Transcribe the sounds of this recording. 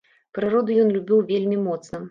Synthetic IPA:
pɾɨɾɔd̪ujɔnlʲubʲiwvʲelʲmʲimɔt̪snɐ

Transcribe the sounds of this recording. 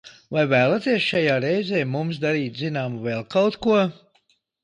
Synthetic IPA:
vajvæːlˠat̪iɛsʃajaːɾɛjzɛːmumsd̪aɾiːt̪zinaːmuvɛːlˠkawt̪kuɔ

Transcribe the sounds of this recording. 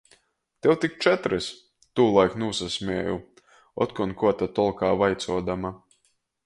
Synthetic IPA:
t̪ewt̪ik̚t͡ʃɛt̪ɾɨs | t̪uːlˠajknuːsasʲmʲɛɛjṵ | ɔ̰t̪kɔnkuɔt̪at̪ɔlˠkaːvajt̪suɔd̪ama

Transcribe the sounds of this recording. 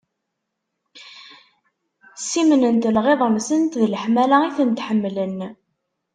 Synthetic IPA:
simnənt̪lʁeðˤəmsənt̪ðləħmælæiθənt̪ħəmːlən

